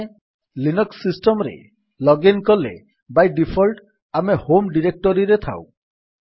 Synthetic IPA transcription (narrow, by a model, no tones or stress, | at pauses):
linɔksisʈɔmɾḛ | lɔɡenkɔlḛ | bajɖipʰɔlʈ | amehomɖiɾek̚ʈɔɾiɾet̪ʰa̰w